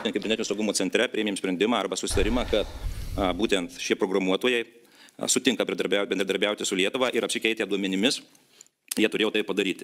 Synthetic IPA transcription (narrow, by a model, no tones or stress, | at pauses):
t̪ʲɛnkɐbʲɛɾnʲɛt̪ʲnʲusɐʊɡʊmoːt͡ssʲɛnʲt̪ʲɾʲɛpʲɾʲeːmʲeːmsʲpɾʲɛnd̪ʲɪmɑːɐrbɐsʊsʲɪt̪ɐɾʲɪmɑːkɐt̪buːt̪ʲɛnt̪ʃʲiɛpɾoːɡɾɐmuɔt̪oːjɛɪ | sʊt̪ʲɪŋkɐbʲɾʲd̪ɐɾbʲɛʊbʲɛnd̪ɾʲɛd̪ɐɾʲbʲɛˑʊt̪ʲɪsʊlʲiɛt̪ʊʋɑːʔɪɾɐpʲsʲɪkʲɛɪt̪ʲeːd̪uɔmʲɛnʲɪmʲɪs | jiɛt̪ʊɾeːjːt̪ɐɪppɐd̪ɐɾʲiːt̪ʲ